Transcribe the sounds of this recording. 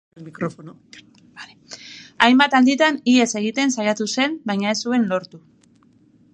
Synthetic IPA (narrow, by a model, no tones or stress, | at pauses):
mikɾofono | leajmbat̪and̪it̪anie̞se̞ɣ̞it̪e̞nsajat̪use̞mbajɲae̞sue̞nlo̞ɾt̪u